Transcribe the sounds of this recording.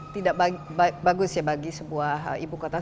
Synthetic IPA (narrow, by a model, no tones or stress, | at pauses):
t̪idaʔbabbaɡʊsjabaɡisəbuaɦibukot̪a